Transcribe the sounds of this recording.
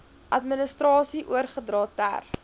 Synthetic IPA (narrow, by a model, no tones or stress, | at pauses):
ʔɐtmənəstrɑːsiʔuərχədrɑːtæ̰r